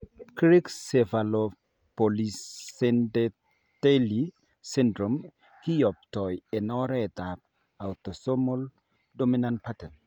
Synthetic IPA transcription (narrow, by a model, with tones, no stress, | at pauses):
kɾi˦ksefa˨lo | poli˨sɛndɛ | teli | si˦ndɾo˨m | hi˦jɔ˨p̚tɔ˨je˨nɔɾɛ˦ɛ˨t̪ap̚ | a˨wt̪o˨so˦mol | dominant̚patɛ˨n